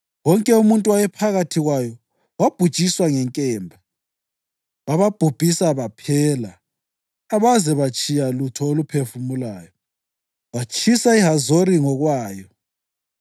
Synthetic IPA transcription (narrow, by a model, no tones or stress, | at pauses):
wɔŋkʼɛumuntʼuwajɛpʰaɣatʰiɣwajɔ | wab̥ʱu̥t͡ʃʼiswaŋɛŋkʼɛːmbʱa | βaβab̥ʱub̥ʱisaβapʰɛːlaː | βazɛβat͡ʃʼijalutʰɔolupʰefumulaːjɔ | wat͡ʃʼisaiɦazoɾiŋɔɣwaːjɔ